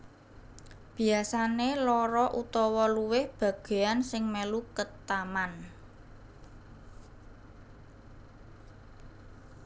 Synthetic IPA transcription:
b̥i̤asanelɔɾɔʔut̪ɔwɔluwɪhb̥ä̤ɡ̥e̤ansɪŋmelukət̪aman

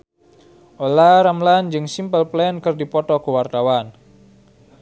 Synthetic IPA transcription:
ʔolaɾamland͡ʒɨŋsimpəlplɛnkərdipɔt̪ɔkəwart̪awan

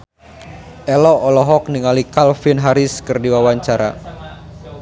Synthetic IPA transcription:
ʔɛlɔːlɔɦɔk̚niŋalikalfinɦaɾɪskɨrdiwawaɲt͡ʃaɾa̰

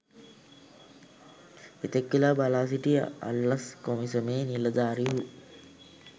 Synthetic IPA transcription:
et̪ekʋilaːbalaːs̬iʈijə̰a̰lːɐskomisəmeːniləd̪aːɾiɦu

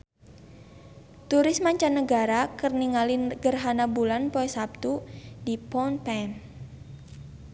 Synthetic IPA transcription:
t̪uɾɪsmaɲt͡ʃanːəɡaɾakərniŋalinɡərɦanabulanpoɛsap̚t̪udipɔnpɛn

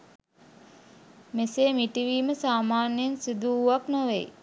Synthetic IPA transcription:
meseːmiʈiʋiːməsaːmaːnjensid̪uːʋaknoʋej

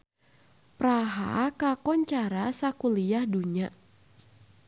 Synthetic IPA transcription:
pɾaɦa̰kakɔɲt͡ʃaɾasakulijahduɲaʔ

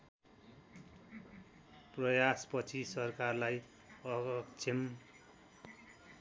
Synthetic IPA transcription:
prʌjaspʌt͡sʰisʌrkarlaj | ʌɡʌkt͡sʰem

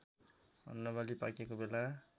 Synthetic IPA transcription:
ʌ̰nːʌβalipakekobela

